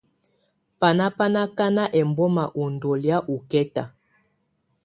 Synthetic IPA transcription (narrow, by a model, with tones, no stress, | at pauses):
pa˨na˦pa˦na˦ka˦na˦ʔɛ˨mbɔ˦ma˨ʔu˨ndɔ˨lja˦ʔu˨kɛ˦ta̰˨